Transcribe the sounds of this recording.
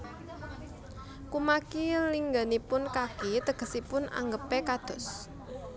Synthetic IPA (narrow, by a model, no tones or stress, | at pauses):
kumakiliŋɡənipʊnkakit̪əɡ̥ə̤sipʊna̰ŋɡəpekad̪̥ɔ̤s